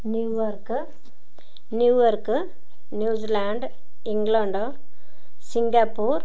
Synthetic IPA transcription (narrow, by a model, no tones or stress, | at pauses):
niʋɐɾk | njuːʋoɾk | njuːd͡ʒilaɳɖ | iŋɡloɳɖo | siŋɡapuːɾ